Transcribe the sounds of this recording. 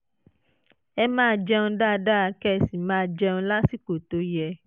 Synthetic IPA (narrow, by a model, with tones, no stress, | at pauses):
ɛ˧mãː˦˨d͡ʒɛ˧nũ˧da˦˨da˦a˨˧˦kɛ˦˨si˨mãː˦d͡ʒɛ˧ũ˧˦la˦si˦ko˨to˨˦jɛ˧˨